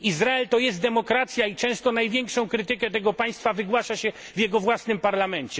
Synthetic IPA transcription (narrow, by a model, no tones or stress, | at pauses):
izɾaɛlt̪ɔjɛst̪d̪ɛmɔkɾat̪sʲjait͡ʂɛ̃w̃st̪ɔnajvʲjɛŋkʂɔ̃w̃kɾɘt̪ɘkɛt̪ɛɡɔpaj̃st̪favɘɡwaʂaɕɛ | vʲjɛɡɔvwasnɘmpaɾlamɛɲt͡ɕɛ